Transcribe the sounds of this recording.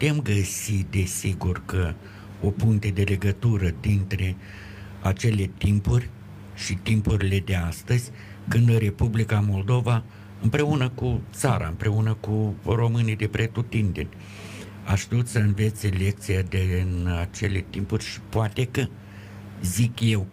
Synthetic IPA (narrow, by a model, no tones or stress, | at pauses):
ut̪e̞mɡəsid̪e̞siɡurkə | opuŋt̪e̞d̪e̞le̞ɡət̪uɾəd̪int̪ɾe̞ | at͡ʃe̞le̞t̪impurʲ | ʃit̪impuɾile̞d̪e̞ast̪əzʲ | kɨnd̪ɨɾe̞publikamo̞ld̪o̞va | ɨmpɾe̞unəkut̪saɾa̰ɨmpɾʔe̞unəkuro̞mɨnijd̪e̞pɾe̞t̪ut̪ind̪e̞nʲ | a̰ʃʃt̪iut̪səɨnve̞t̪sʲle̞k̚t̪sijad̪inat͡ʃe̞le̞t̪impurʲʃi̥poat̪e̞kə | zikje̞w